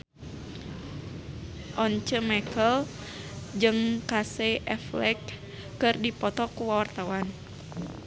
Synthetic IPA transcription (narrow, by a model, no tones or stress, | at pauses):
ʔɔnt͡ʃəmɛkəl | d͡ʒɨŋkaseʔɛflɛk̚ː | ɨrdipɔt̪ɔkuwawart̪awan